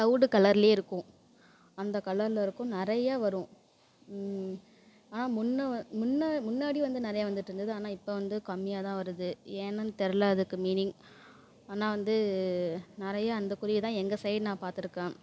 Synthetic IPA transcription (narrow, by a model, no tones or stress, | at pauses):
sɐʋɽɯkɐlɐɾɪleːɪɾɯkːʊ̃ | ɐnd̪ɐkɐlɐɾlɐɪɾɯkːʊ̃nɪɾɐjaːʋɐɾʊ̃ | aːnaːmʊnːɐmʊnːamʊnːaːɽiʋɐnd̪ɯnɪɾɐjaːʋɐnd̪ɯʈːɪɾɯnd̪ɐðɯaːnaːɪpːoːʋɐnd̪ɯkɐmːɪjaːt̪ãːʋɐɾɯðɯeːnɐnt̪ɛɾɯlɐɐðɯkːɯmiːnɪŋ | aːnaːʋɐnd̪ɯ | nɪɾɐjaːɐnd̪ɐkʊɾɪʋɪt̪ãːɛŋɡɐsɐɪɖnãːpaːɾt̪ɯɾɯkːẽː